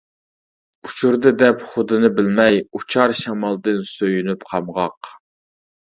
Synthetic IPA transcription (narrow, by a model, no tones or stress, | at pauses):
ut͡ʃʰuɾd̪ɨd̪ɛpχʊd̪ɨnɨbɪlmɛjut͡ʃʰɑɾʃɑmɑlˠd̪ɨnsøjynypqʰɑmʁɑq